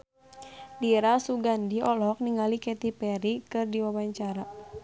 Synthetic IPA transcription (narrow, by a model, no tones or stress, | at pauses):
diɾasuɡandiʔɔlɔk̚niŋalikɛt̪ipɛɾikɨrdiwawaɲt͡ʃaɾa